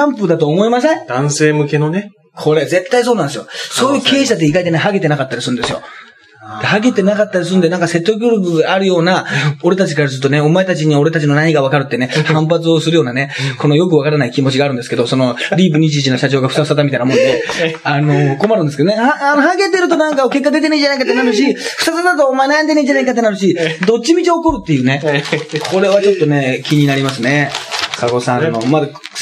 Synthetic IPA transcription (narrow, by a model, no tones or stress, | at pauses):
ãmpɯ̟d̪at̪o̞ːmo̞imased̪̥ãɰ̃se̞ːmɯ̟ke̞none | kʰo̞ɾe̞ze̞t̪ːaisoːnãnd̪sɨjoso̞ːjɯ̟ːkʰe̞ːɕad̪eiɡait̪e̞nehaɡe̞t̪e̞nakat̪ːaɾʲisɨɾɯ̟nd̪esɨjo̞̰ | d̪̥e̞haɡe̞t̪e̞nakat̪ːaɾʲis̬ɨɯ̃nd̪enãŋkase̞t̪ːok̬ʲoːɾʲok̬ɯ̟ɡaːɾɯjo̞ːnao̞ɾe̞t̪at͡ɕi̥kaɾazɨt̪ːo̞ne̞o̞mae̞t̪at͡ɕiɲ̟io̞ɾe̞t̪at͡ɕino̞naɲ̟iɡaβakaɾɯ̟t̪ːene̞hãmpat͡sɨo̞sɨɾɯ̟jo̞ːnane̞ko̞no̞jo̞k̬ɯ̟βakaɾanaikʲimo̞t͡ɕiɡaːɾɯ̟nd̪e̞sɨ̥ke̞d̪o̞so̞no̞ɾʲiːbɯ̟ɲ̟it͡ɕit͡ɕino̞ɕat͡ɕoːɡaɸɯ̟̥t̪aɯ̥sat̪̬amʲit̪ainamõ̞neano̞ko̞maɾɯ̃nd̪eskeonehaanoɦaɡe̞t̪e̞ɾɯ̟t̪o̞nãŋkaoke̞kːad̪e̞t̪̬e̞neiɲd͡ʑanaikat̪ːe̞naɾɯ̟ɕiɸɯ̟sas̬at̪at̪̬oːmaenajãnd̪eneiɲd͡ʑanaikat̪ːe̞naɾɯ̟ɕid̪o̞t͡ɕːimʲit͡ɕioːko̞ɾɯ̟t̪ːe̞jɯ̟ːne̞kʰo̞ɾe̞βat͡ɕo̞t̪ːo̞ne̞kʲiɲ̟inaɾʲimasɨne̞kako̞sãnːo̞mad̪a